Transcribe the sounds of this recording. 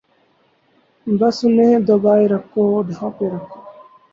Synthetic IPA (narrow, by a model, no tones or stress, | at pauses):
bɐsʊnẽːd̪obaːiɾɐkoɖʱãːpeɾɐkʰo